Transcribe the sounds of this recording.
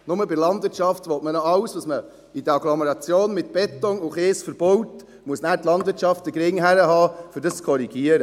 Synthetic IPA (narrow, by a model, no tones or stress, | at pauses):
nʊməbɪɾlɑndvɪɾt͡ʃɑftʋɔtmənɔɑwsʋɑsmə | idəɑɡlɔmɛɾɑt͡sjoːnmɪt̪b̥ɛt̪ɔŋʊχeːsfəɾb̥ɔwt | muəsnæːɾtlɑndvɪɾtʃɑftd̥əɡɾɪŋɦæɾəɦɑːfʏɾdəst͡skʰɔɾiɡiəɾə